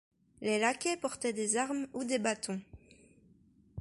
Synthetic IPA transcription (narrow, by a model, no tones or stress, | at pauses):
lelakʲɛpɔʁt̪ɛd̪ezaʁmud̪ebat̪ʰɔ̃